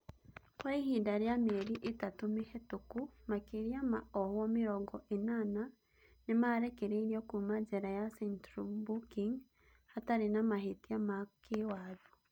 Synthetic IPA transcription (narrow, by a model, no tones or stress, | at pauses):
waihindaɾeameɾiʔetatumehetukumakeɾiamaɔhwɔmiɾɔɡɔʔenana | nemaɾɛkeɾeiɾiɔkumad͡ʒɛɾajasɛntɾubukiŋ | ataɾenamaɦetiamakewaðɔ